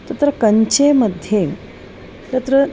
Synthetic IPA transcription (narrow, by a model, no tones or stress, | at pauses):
t̪ət̪ɾəkəɲt͡ɕeməd̪ʱje | t̪ət̪ɾə